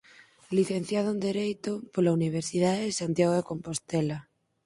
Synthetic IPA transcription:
liθẽn̟θjaðoend̪eɾejt̪opolauniβ̞eɾsiðaðesant̪jaɣoðekompost̪ela

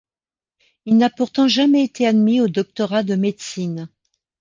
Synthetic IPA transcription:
ilnapuʁt̪ɑ̃ʒamɛet̪ead̪miod̪ɔk̚t̪ɔʁad̪əmed̪sin

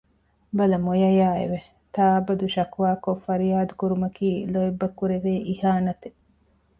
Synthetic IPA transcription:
bɐlɐmojɐjaːḛʋe | t̪aːɐbɐd̪uʃɐkuʋaːkofɐɾijaːd̪ukuɾumɐkiːloebːɐkuɾeʋeːʔihaːnɐt̪e

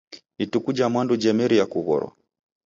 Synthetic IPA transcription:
itukud͡ʒamwandud͡ʒɛmɛɾijakuβɔ̰ɾwa̰

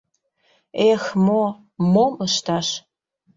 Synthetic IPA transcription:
exmo | moməʃt̪ɑʃ

